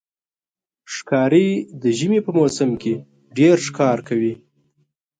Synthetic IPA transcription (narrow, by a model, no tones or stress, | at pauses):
ʂkɑɾid̪əʒəmipəmosəmke | ɖeɾʂkɑɾkawi